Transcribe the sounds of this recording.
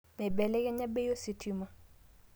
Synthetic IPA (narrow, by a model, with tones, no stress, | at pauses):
mɛ˨bɛ˨lɛ˦ɡɛ˦ɲa˦be˦jo˦si˨tʰi˦ma˦